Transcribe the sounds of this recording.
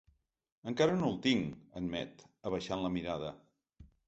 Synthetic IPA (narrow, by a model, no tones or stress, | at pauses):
əŋkaɾənolˠt̪iŋənmɛ̰t̪əβəʃanləmiɾaðə